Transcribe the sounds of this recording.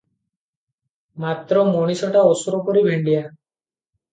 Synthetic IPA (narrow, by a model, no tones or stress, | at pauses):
mat̪ɾɔmoɽ̃isɔʈaosɔɾɔkɔɾibʱeɳɖija